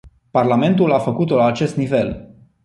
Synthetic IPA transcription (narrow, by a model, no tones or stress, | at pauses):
parlame̞nt̪ulafəkut̪olaːt͡ʃe̞st̪nive̞l